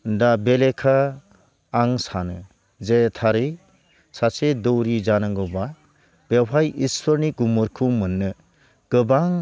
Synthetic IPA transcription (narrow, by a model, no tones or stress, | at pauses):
dabelekʰaː | ŋsanɯ | zetʰaɾɯj | sʰasedɔwɾid͡ʒanaŋɡɔba | b̥epʰajispʰɔɾniɡumɔɾkʰumɯnːɯ | ɡ̥ɯbaŋ